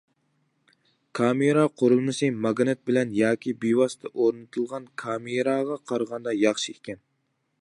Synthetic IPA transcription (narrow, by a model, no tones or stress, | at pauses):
kʰɑmeɾɑqʰoɾulˠmɨsɨmɑɡnɨt̪̚bɪlɛnjɑːkʲibiwɑst̪ʰɨʔoɾnɨt̪ʰɨlˠʁɑnkʰɑmeɾɑːʁɑqʰɑɾʁɑnd̪ɑjɑχʃiekʲɛn